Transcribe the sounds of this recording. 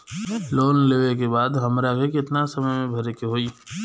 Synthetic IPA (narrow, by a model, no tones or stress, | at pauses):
loːnleːʋek̬ebaːd̪ɦɐmɾakekɪt̪nasɐməjmẽbʱɐɾekiɦoːiː